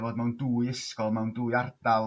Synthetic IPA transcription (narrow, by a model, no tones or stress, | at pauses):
voːdmɛwnduːjəskɔlˠmɛwnduːjard̥alˠ